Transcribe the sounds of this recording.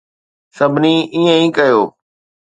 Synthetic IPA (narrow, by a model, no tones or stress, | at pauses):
səbʱniːiːə̃ĩːkəjoː